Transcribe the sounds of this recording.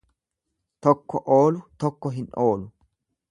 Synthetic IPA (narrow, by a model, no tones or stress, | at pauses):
t̪ɔkːɔʔoːlʊt̪ɔkːɔɦɪnoːlʊ